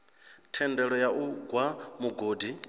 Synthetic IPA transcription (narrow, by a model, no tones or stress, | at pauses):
tʰɛndɛɺɔjaʔuɡwamuɡoːdi